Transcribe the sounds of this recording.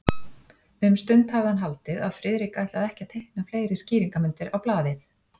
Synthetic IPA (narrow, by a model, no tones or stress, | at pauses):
mɛmst̪ʏnt̪havðɪhanɦalt̪ɪðaðfɾɪðɾikajht̪laðɛhcat̪ʰːejhknafleːjɾɪsciːɾiŋkamɪnt̪ɪɾawplaːðɪθ